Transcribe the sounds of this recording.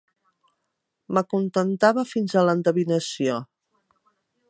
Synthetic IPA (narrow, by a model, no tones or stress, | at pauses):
məkunt̪ənt̪aβəfinzələnd̪əβinəsio